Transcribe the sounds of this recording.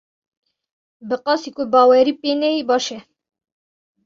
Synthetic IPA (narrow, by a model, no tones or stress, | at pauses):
bɨqɑsikobɑːwɛɾipenɛibɑːʃɛ